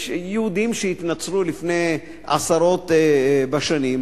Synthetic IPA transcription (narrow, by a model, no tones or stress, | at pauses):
jeud̪imʃeit̪nat͡slulifne̞j | a̰saɾo̞t̪baʃanim